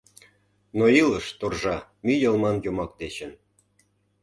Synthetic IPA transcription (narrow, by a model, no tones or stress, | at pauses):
noiləʃt̪orʒɑmyjəlmɑnjomɑk̚d̪et͡ɕə̆n